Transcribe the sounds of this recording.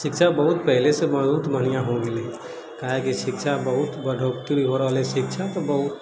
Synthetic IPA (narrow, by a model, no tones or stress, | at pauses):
ʃɪkʃʰabɐɦʊt̪pɛɦlesemɐut̪mənijãɦõɡele | kaɦekiʃɪkʃabəɦʊt̪bɐɖʱoːkt̪ibiɦoɾʋaleʃɪkʃʰat̪ɔbɐɦʊt̪